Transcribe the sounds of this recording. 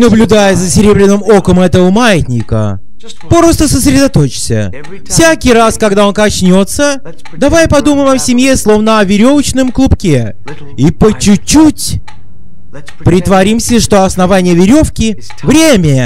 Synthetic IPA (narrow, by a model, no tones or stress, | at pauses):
nəblʲʊd̪ajəzəsʲɪɾʲe̞bɾʲɪnɨmokəmɛt̪əvəmajɪt̪ʲnʲɪkə̰ | pɾost̪əsəs̬ɾʲɪd̪ɐt̪o̞t͡ɕɪ̥sʲə̰ | fsʲakʲɪɾaskɐɡd̪ao̞nkɐt͡ɕnʲo̞t̪sə | d̪ɐvajpɐd̪uməjmɐsʲɪmʲjeslˠo̞vnəɐvʲɪɾʲo̞vət͡ɕnɨmklˠʊpkʲe | ipət͡ɕːʉt͡ɕːutʲ | pɾʲɪt̪vɐɾʲimsʲəʂt̪oɐsnɐvanʲɪjəvʲɪɾʲo̞fkʲɪ | vɾʲemʲɪ